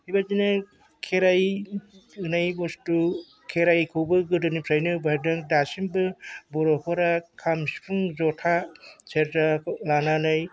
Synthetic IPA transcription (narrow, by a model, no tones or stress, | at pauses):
hibazinɯ | kʰeɾaj | ɯnajbɔstu | kʰeɾajkʰuwbɯɡɯdɯnipʰɾajnɯbaɾdɯŋdasimbɯbɔɾɔkʰɔɾakʰamspʰuŋzɔtʰaseɾtalananɯj